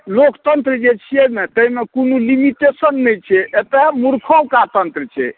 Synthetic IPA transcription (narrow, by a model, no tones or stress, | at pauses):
lokt̪ənt̪ɾd͡ʒet͡ʃʰiemet̪əimekonulimiʈesənːɛjt͡ʃʰɛet̪emuɾkʰowkat̪ənt̪ɾət͡ʃʰɛ̰